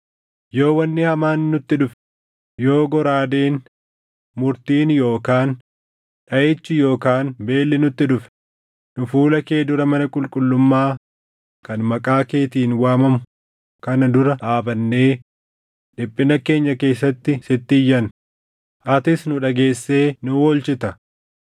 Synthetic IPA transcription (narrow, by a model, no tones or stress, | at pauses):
jo̞ːwɐnːɪhɐmaːnːʊt̪ːɪᶑʊf | jo̞ːɡɔɾaːd̪eːn | mʊɾt̪iːnjo̞ːkaːn | ᶑɐʔet͡ʃːɪjo̞ːkaːnbe̞ːlːɪnʊt̪ːɪᶑʊfɛ̥ | nʊfuːlɐkeːd̪ʊɾɐmɐnɐkʼʊlkʼʊlːʊmːaː | kɐnmɐkʼaːke̞ːt̪iːnwaːmɐmʊ | kɐnɐd̪ʊɾɐʔaːbɐnːe̞ː | ᶑɪpʼːɪnɐke̞ːɲːɐke̞ːsːɐt̪ːɪsɪt̪ːɪjːɐn | ʔɐt̪ɪsnʊᶑɐɡe̞ːsːe̞ːnʊwɔlt͡ʃɪt̪ɐ